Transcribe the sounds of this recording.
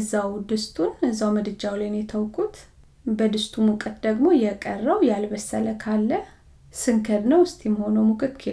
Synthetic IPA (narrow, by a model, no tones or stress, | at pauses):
zːawd̪ɨst̪ʰʼunɨzawməd̪ɨd͡ʒawlajnjɛt̪ʰəwkʼut̪ | bəd̪ɨst̪ʰʼumukʼət̪d̪əɡmo̞jɛkʼərːəwjalbəsːələkʰalːə | sɨŋkʰəd̪nəwɨst̪ʼjɛməho̞nəwmukʼɨt̪kʰe